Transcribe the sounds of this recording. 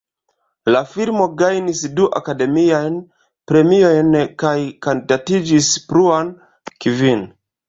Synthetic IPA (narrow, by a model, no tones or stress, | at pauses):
lafilmo̞ɡajnisduʔakade̞miajn | pɾe̞mio̞jnkajkondatid͡ʒispɾuan | kivin